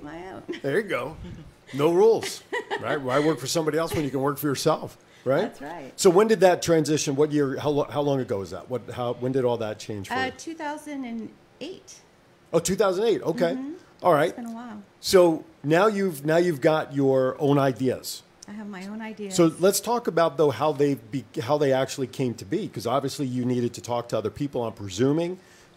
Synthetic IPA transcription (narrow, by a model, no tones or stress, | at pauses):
ɛɹɨɡoʊnoʊɹulˠz̥ɹa̰ɪt̚wəaɪwɜ˞kfə˞sʌ̃mbɑɾiɛlˠswɨ̃njɨkɨ̃nwɜ˞kfə˞jə˞sɛlˠf | ɹaɪt̚ɹaɪtsoʊwɨ̃ndɨd̪̚ðɨtʰɹ̥æ̃nzɪʃɨ̃nwʌt̚jɪɹhaʊlhaʊlɔ̃ŋɨt̚ɡ̥oʊɨzðə̰t̚wʌt̚haʊwɨ̃ndɨɾɔlˠðət̚t͡ʃʰẽɪ̃nʒ̥ftʰʉθaʊzɨ̃ndɨ̃n | eɪt̚ | ʔoʊtʰʉθaʊz̃n̩eɪto̰ʊkʰeɪʔɔlˠɹaɪt̚nəwaɪlˠ | soʊ | naʊjʉvnaʊjʉvɡɑt͡ʃə˞õʊ̃naɪdiɨ̰z̥ | aɪɨvmaɪõʊ̃naɪdisoʊlətstʰɔkəbaʊt̪̚ðoʊhaʊðeɪbiɦaʊðeɪæk̚t͡ʃul̩ˠikʰẽɪ̃mtʰɨbikʰʌzɑbviɨslijɨniɾɨd̚tʰɨtʰɔk̚tʰəʌðə˞pʰipl̩ˠãmpʰɹ̥ɨzʉ̃mɪ̃ŋ